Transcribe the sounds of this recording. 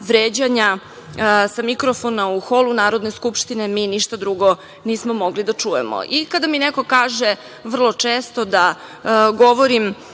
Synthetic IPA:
ʋɾeːd͡ʑaɲa | samikɾofonauxo̞lunaːɾo̞d̪ne̞skupʃt̪ine̞miːniʃt̪ad̪ɾuɡo̞ | niːsmomo̞ɡlid̪at͡ʂuje̞̰mo̰ʔikad̪amineko̞kaːʒe | ʋr̩lˠo̞t͡ʂeːst̪o̞d̪a | ɡo̞ʋoɾim

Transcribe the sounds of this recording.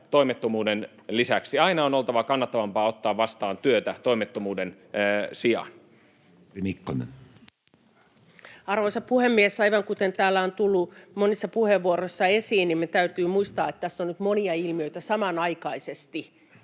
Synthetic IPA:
t̪o̞imet̪ːomuːden | lisæksiɑinɑonolt̪ɑʋɑkɑnːɑt̪ːɑʋɑmpɑːot̪ːɑːʋʋɑst̪ɑːnt̪yøt̪æt̪oimet̪ːomuːden | siɑ̰n | imikːonḛn | ɑrʋoisɑppuhemːiesɑiʋɑŋkut̪ent̪æːlːæont̪ulːumonisːɑpuheʋːuoɾoisːɑesiːnnimet̪æyt̪yːmuist̪ɑːet̪t̪æsːonnyt̪moniɑilmiøit̪æsɑmɑnɑikɑisest̪i

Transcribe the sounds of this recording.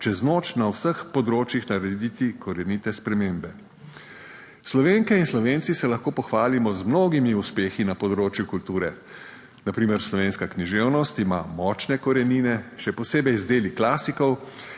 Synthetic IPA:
t͡ʃɛznoːt͡ʃnawsəxpɔd̪ɾoːt͡ʃjixnaɾɛd̪it̪ikʰɔɾɛnit̪ɛspɾɛmeːmbɛ | slɔʋeːŋkɛinslɔʋeːnt̪sisɛlɐxkoːpɔxʋaːlimɔzmnoːɡimiuspeːxinapɔd̪ɾoːt͡ʃjukult̪uːɾɛ | napɾiːmɛɾslɔʋeːnskakniʒeːwnɔst̪imamɔːt͡ʃnɛkɔɾɛniːnɛʃɛpɔseːbɛjzd̪eːliklaːsikɔw

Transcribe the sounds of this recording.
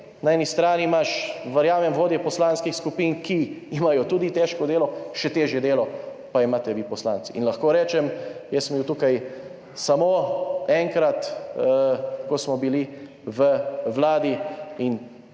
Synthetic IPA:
naɛːnist̪ɾaːnimaʃʋɐɾjaːmɛmʋoːd̪jɛpɔslaːnskixskupinkiimajɔt̪uːd̪it̪ɛʃkɔd̪eːlɔʃɛt̪eːʒjɛd̪eːlɔpaimaːt̪ɛʋipɔslaːnt̪siinlɐxkoːɾɛːt͡ʃɛmjɛsmbiwt̪uːkaj | samoɛŋkɾat̪əkɔsmɔbili | ʋəʋlaːd̪iin

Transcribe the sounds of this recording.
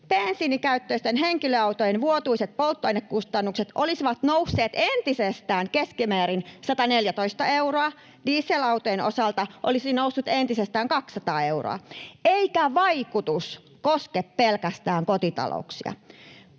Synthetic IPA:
pensiːnikæyt̪ːøist̪enɦeŋkiløɑut̪ojenʋuot̪uiset̪̚polt̪ːoɑinːekkust̪ɑnːukset̪ʔolisiʋɑt̪nousːeːt̪ent̪isest̪æːŋkeskimæːɾinsɑt̪ɑneljæt̪o̞ist̪ɑeuroɑ | diːsːelɑwt̪ojeno̰sɑlt̪ɑʔo̰lisinousːut̪ent̪isest̪æːŋkɑksːɑt̪ɑːe̞wro̰ɑ̰eikæʋɑjkut̪us | koskeppelkæst̪æːŋkot̪it̪ɑ̰lʔo̰uksḭɑ̰

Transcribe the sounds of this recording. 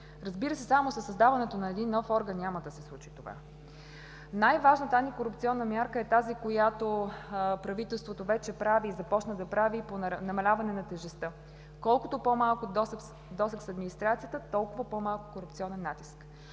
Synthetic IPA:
ɾɐzbiɾəsɛsamosəsːɐzd̪avɐnɛt̪onɐɛd̪inːɔfɔɾɡənːɲʲaməd̪ɐsɛslˠut͡ʃi̥t̪ova̰ | najvaʒnət̪anikoɾupt̪siɔnːəmʲjaɾkəɛt̪azikojat̪opɾɐvit̪ɛlˠst̪vot̪ovɛt͡ʃɛpɾaviːzɐpɔt͡ʃnəd̪ɐpɾaviponɐmɐlʲavɐnɛnɐt̪ɛʒɛst̪ə | kɔlˠkʊt̪opomalˠkʊd̪s | d̪ɔsəksɐd̪minist̪ɾat̪sijət̪ət̪ɔlˠkʊvəpomalˠkʊ̥koɾupt̪siɔnɛnːat̪isk

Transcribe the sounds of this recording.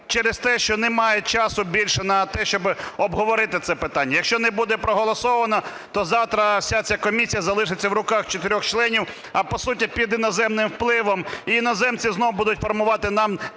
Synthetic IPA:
t͡ʃɛɾɪst̪ɛʃt͡ʃɔnɛmɑjɛt͡ʃɑsʊbʲilʲʃɛnɐt̪ɛʃt͡ʃɔbɪɔbɦɔʋɔɾɪt̪ɪt̪sɛpɪt̪anʲːɐjɐkʃʲt͡ʃɔnɛbud̪ɛpɾɔɦɔlˠɔsɔʋɐnɐ | t̪ɔzɑwt̪ɾɐsʲat͡sʲakɔmʲisʲijɐzɐlˠɪʂɪt͡sʲːɐwɾʊkɑxt͡ʃɔt̪ɪɾʲɔxt͡ʃlˠɛnʲiw | ɐpɔsut̬ʲipʲid̪ɪnɔzɛmnɪmwplˠɪʋɔmiinɔzɛmt͡sʲiznɔʋʊbud̪ʊtʲfɔrmʊʋɑt̪ɪnɑm

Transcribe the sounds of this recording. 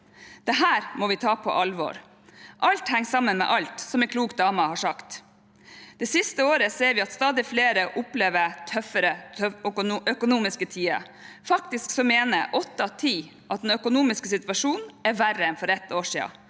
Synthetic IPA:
d̪̥ɛɦæːɾmɔʋɪt̪ʰɑːpʰɔ̰ʔɑlʋɔ̰ɾ | ʔɑlt̪hæŋːsɑmənmɛ̰ʔɑlt̪sɔmɛkʰluːk̚d̪ɑːmɑhɑʂɑkt̪ | d̪̥ɛsɪst̪əoːɾəseːɾʋɪɑt̪st̪ɑːd̪ɪfleːɾəʔʊpleːʋət̪ʰœfəɾə | œkʊnuːmɪskət̪ʰiːə̰ | fɑk̚t̪ɪsksɔmeːnə̰ʔɔt̪ːɑt̪ʰiː | ʔɑt̪̚d̪ɛnœkʊnuːmɪskəsɪt̪ʋɑʂuːnɛɾʋæɾəɛnfɔɾɛt̪ːoːʂiːɑ̰

